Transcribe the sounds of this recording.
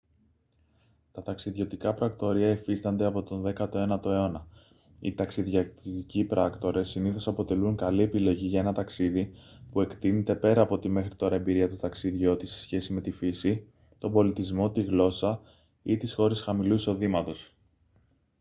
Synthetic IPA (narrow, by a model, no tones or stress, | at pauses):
t̪ɐt̪ɐksiðʝo̞t̪ikɐpɾɐkt̪o̞ɾiɐifist̪ɐnd̪e̞ɐpo̞t̪o̞nðe̞kɐt̪o̞e̞nɐt̪o̞e̞o̞nɐ | ḭt̪ɐksiðʝɐicipɾɐkt̪o̞ɾe̞sːiniθo̞sɐpo̞t̪e̞luŋkɐlie̞pilo̞ʝiʝɐe̞nɐt̪ɐksiðipue̞kt̪inet̪e̞pe̞ɾɐːpo̞t̪ime̞xɾit̪o̞ɾɐe̞mbiɾiɐt̪ut̪ɐksiðʝo̞t̪ise̞̥sçe̞sime̞t̪ifisi | t̪o̞bo̞lit̪izmo̞t̪iɣlo̞sɐ | it̪isxo̞ɾe̞sxɐmiluiso̞ðimɐt̪o̞s